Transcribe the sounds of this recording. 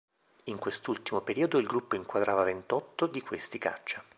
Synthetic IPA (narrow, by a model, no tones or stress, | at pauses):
iŋkwest̪ult̪imopeɾiːod̪oilɡɾupːoiŋkwad̪ɾʔaːvavent̪ɔt̪ːod̪ikwest̪ika̰t͡ʃːa